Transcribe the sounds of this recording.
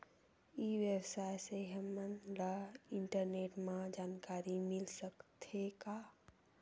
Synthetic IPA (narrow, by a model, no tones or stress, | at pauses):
iʋjəbsajseɦəmənlaiɳʈəɾneʈmãd͡ʒankaɾimilsəkt̪ʰeka